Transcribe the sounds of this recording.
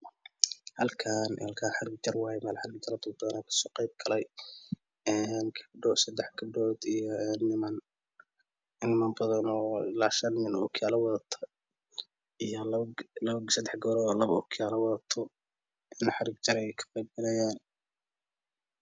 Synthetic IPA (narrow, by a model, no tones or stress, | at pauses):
hɐlkʰaːnhɐlkʰaːnħɑɾɪɡ̚t͡ʃɐrwɑːjmɛːlħɑɾɪɡ̚t͡ʃɐɾɐd̪ʊbɐðɐnaːkʰɐ̥sɔːqejb̚ɡʰɐlɛj | ɛːnkʰɐbɖɔsɐd̪ɛħɡʰɐɖɔːd̪ijɔɛnːɪmɐn | nɪmaːnbɐðɐnɔlaːʃɐnːɪnʊkʰjaːlɐwɐðɐt̪ʰɐ̥ | ijɔlɡlɐβɡsɐd̪ɛħɡɔːɾɔlɐβʊ̰kʰjaːlɐwɑðɐt̪ʰɔ | ɛnħɑɾɪɡt͡ʃɐɾɛjjkʰɐ̥qɛjb̚ɡɐlɛjaːn